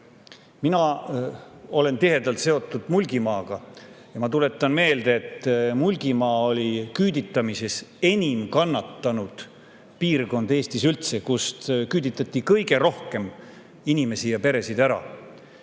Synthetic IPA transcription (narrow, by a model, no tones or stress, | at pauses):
minɑ | o̞le̞nt̪iɦe̞d̪̥ɑlt̪se̞o̞t̪ːˑud̪̥mulʲɡ̥imɑːɡ̥ɑ | jɑmɑt̪ule̞t̪ːˑɑnme̞ːld̪eet̪ːˑmulʲɡ̥imɑːo̞lʲikyːd̪it̪ːˑɑmise̞se̞nʲimkɑnːɑt̪ːɑnud̪̥ | piːrɡo̞nd̪e̞ːst̪isylt̪se̞kust̪kyːd̪it̪ːˑɑt̪ːikɤjɡe̞ɾo̞hke̞m | inʲime̞sijɑpe̞ɾe̞sid̪̥æɾɑ̰